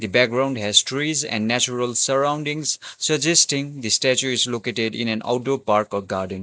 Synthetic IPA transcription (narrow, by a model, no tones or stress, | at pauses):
d̪ibɛk̚ɡɾãʊ̃nɖɦɛztɾizɛ̰̃nɖnæt͡ʃuɾəlsəɾãʊ̃nɖĩŋssəd͡ʒɛsʈĩŋd̪isʈɛt͡ʃuɪzlokeʈeɖḭ̃nɛ̃na̰ʊʈopaɾkɔɡaɾɖə̃n